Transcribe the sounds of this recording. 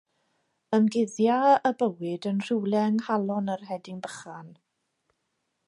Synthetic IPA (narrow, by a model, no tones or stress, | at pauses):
əmɡɪðjaəbəwɪdənr̥ɪwlˠɛŋhalˠɔnərhɛdɪŋbəχan